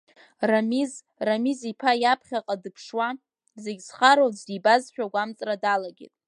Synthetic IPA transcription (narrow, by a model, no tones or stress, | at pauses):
ramiz | ramizipʰajapʰχʲaqʼadɨpʰʂwa | zeɡʲsχaɾot͡sdibazʃᶣaɡʷamt͡sʼradalaɡʲḛtʼ